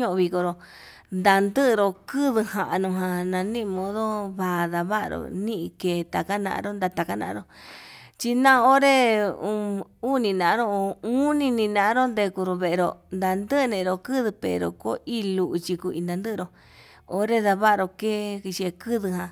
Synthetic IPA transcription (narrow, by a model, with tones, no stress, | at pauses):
ɲõ˦ʔõ˧βi˧ko˧ɾo˧ | nd̪a˧nd̪ɨ˦ʔɾo˧kɨ˦ðɨ˧hã˨ʔa˧nũ˧ɦã˧nã˧nĩ˦ʔmõ˧˦ðo˦βa˧˨ða˧βa˦ʔɾo̰˧˨nĩ˦ʔĩ˧keː˧˨t̪a˨ka˦nã̰˧ʔa̰˧ɾo˦nd̪a˧t̪a˧˨ka˦nã̰˧ɾo˦ | t͡ʃi˧nã˦˧o˦ɾe˦u˧u˦nĩ˧nã˨˦ɾo˦˧ũ˦nĩ˧nĩ˧nã˧ʔɾo˦nd̪e˧ku˧ɾo˧βe˧˨ʔe˧ɾo˧nd̪a˧nd̪ɨ˦ʔnẽ˧˨˧ɾo˧kɨ˦ðɨ˧pḛ˨ɾo̰˨ko˦ʔi˦lu˧ʔu˧t͡ʃi˧ku˧ḭ˧nd̪a˧nd̪ɨ˦ʔɾo˧ | o˦ɾe˦ða˧βa˦ʔɾo˧ke˦ki˧t͡ʃi˧e˧kɨ˦ðɨ˧ɦã˧